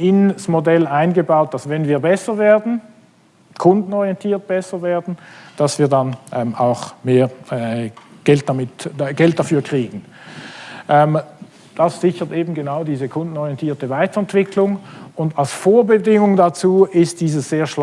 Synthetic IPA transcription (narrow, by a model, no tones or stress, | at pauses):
ɪnsmodɛlaɪnɡəbaʊt̚d̥asvɛnviːɐbɛsɐveːɐdn̩ | kʰʊndn̩ɔʁiɛntʰiːɐt̚b̥ɛsɐveːɐdn̩d̥asv̥iːɐdanʔɛmaʊxmeːɐɛɡ̥ɛlt̚d̥amɪtɡ̥ɛlt̚d̥afyːɐkʁ̥iːɡn̩ | ʔɛːm | d̥asz̥ɪçətʔeːbn̩ɡənaʊdiːzəkʰʊndn̩ɔʁjɛntʰiːɐtəvaɪtɐɛntv̥ɪkʰlʊŋʊndalsfoːɐbədɪŋʊŋdat͡suːɪst̚d̥iːzəsz̥eːɐʃl